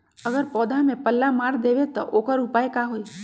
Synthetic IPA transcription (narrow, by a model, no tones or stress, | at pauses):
əɡəɾpɔːd̪ʱãmẽpəlːamaɾd̪eʋet̪ɔʔokəɾupaːekaɦoi